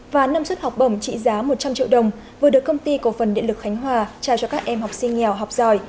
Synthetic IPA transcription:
vaː˨˩naː˧mswə˦˥t̚ha˨˩wk͡p̚ɓə˧˩wŋ͡mt͡ɕḭ˧˨zaː˨˦mo˨˩t̚t͡ɕa˧mt͡ɕḭ˧˨wɗə˨˩wŋ͡m | vɨ˨˩əɗɨ˨˩əkːə˧wŋ͡mt̪i˧ko˨˧˩fə˨˩nɗḭ˧˨lɨ˨˩k̚xa˨˦ŋ̟ɦwaː˨˩t͡ɕaː˨˩wt͡ɕɔ˧kaː˦˥k̚ʔɛ˧mhɔ˨˩wk͡p̚sï˧ŋ̟ŋɛ˨˩wɦa˨˩wk͡p̚zɔ˧˩j

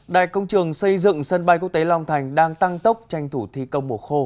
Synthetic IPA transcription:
ɗa̰ː˧˨jkə˧wŋ͡mt͡ɕɨ˨˩əŋsə˧jzɨ̰˧˨ŋsə˧nɓa˧jku˦˥ək̚t̪e˨˦la˧wŋ͡mt̪ʰa˨˩jŋ̟ɗaː˧ŋt̪a˧ŋt̪ə˦˥p̚t͡ɕa˧jŋ̟t̪ʰu˧˩t̪ʰi˧kə˧wŋ͡mmo˨˩xo˧

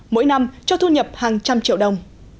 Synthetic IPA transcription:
mo̰˧˥jna˧mt͡ɕɔ˧t̪ʰu˧ɲə˨˩p̚haː˨˩ŋt͡ɕa˧mt͡ɕḭ˧˨əwɗə˨˧wŋ͡m

